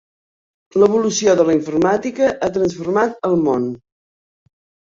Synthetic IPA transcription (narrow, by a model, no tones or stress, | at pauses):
ləβulusioðələiɱfuɾmat̪ikəʔat̪ɾənsfuɾmat̪əlˠmon